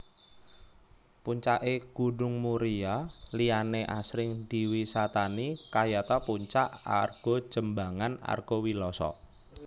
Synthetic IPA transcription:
puɲt͡ʃaʔeɡ̥uɖʊŋmuɾialianeʔa̰sɾɪŋd̪̥i̤wisat̪anikajat̪apuɲt͡ʃaʔa̰rɡ̥ɔ̤̥ʒ̥əmbaŋana̰rɡ̥ɔwilɔsɔ̰

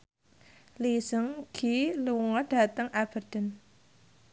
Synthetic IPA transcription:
lisəŋɡ̥iluŋɔɖ̥a̤t̪əŋab̥ə̤rd̪̥ə̤n

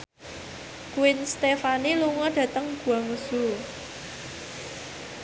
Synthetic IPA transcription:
kuwɪnst̪efaniluŋɔɖ̥ä̤t̪əŋɡ̥ṳaŋusu

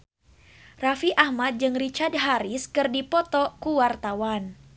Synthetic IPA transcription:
rafiʔahmat̪̚d͡ʒɨŋrit͡ʃardɦaɾiskɨrdipɔt̪ɔkuwart̪awan

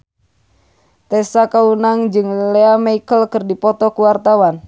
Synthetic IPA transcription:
t̪ɛsakaunaŋd͡ʒɨŋleamaikəlkɨrdipɔt̪ɔkuwart̪awan

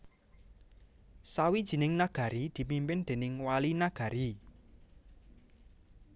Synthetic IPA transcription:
sawid̥ʒ̥i̤nɪŋnaɡ̥ä̤ɾid̪̥i̤pimpɪnd̪̥e̤nɪŋwalinaɡ̥a̤ɾi

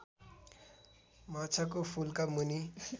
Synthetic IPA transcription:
mat͡sʰak̬opʰulkamuni

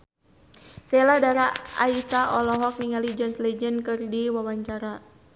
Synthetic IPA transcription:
sɛladaɾaaisaʔɔlɔɦɔk̚niŋalid͡ʒənslɛd͡ʒənkɨrdiwawaɲt͡ʃaɾa

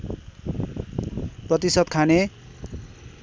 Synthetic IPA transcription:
prʌt̪isʌd̪̚kʰane

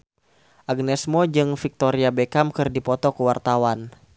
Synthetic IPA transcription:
ʔaɡnɛsmɔd͡ʒɨŋfik̚t̪ɔɾiabɛkamkɨrdipɔt̪ɔkuwart̪awan

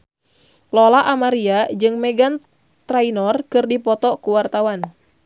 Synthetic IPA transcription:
lɔlaʔamaɾiad͡ʒɨŋmɛɡan | t̪ɾainɔrkɨrdipɔt̪ɔkuwart̪awan

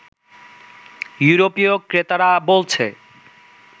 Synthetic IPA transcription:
juɾopiokɾet̪aɾabolt͡ɕʰe

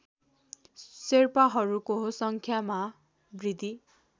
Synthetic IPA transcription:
serpaɦʌɾukosʌŋkʰjama | brid̪ʱi

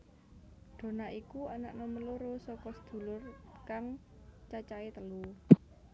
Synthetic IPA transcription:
ɖ̥o̤naʔikuanaʔnoməloɾosɔkɔsə̥d̪̥ṳlʊrkaŋ | t͡ʃat͡ʃaet̪əlu

